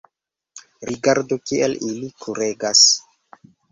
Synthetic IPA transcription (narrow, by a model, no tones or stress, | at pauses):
ɾiɡaɾdokielilikʰuɾeɡas